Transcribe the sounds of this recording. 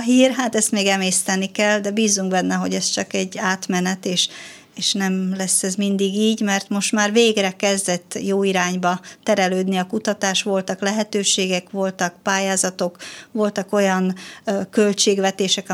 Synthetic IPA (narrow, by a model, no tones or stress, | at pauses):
ɦiːrɦaːt̪ɛst̪meːɡɛmeːst̪ɛnːikɛld̪ɛbiːzːuŋɡbɛnːɛɦo̞ɟɛst͡ʃɒkɛɟːaːt̪mɛnɛt̪eːʃ | eːʃnɛmlɛsːɛzmind̪iɡiːɟmɛrt̪mo̞ʃt̪maːrveːɡrɛkɛzd̪ɛt̪ːjoːiɾaːɲbɒt̪ɛɾɛløːd̪niɒkut̪ɒt̪aːʃʋo̞lt̪ɒklɛɦɛt̪øːʃeːɡɛkʋo̞lt̪ɒk̚paːjaːzɒt̪o̞kʋo̞lt̪ɒko̞jɒnkø̞lt͡ʃeːɡʋɛt̪eːʃɛk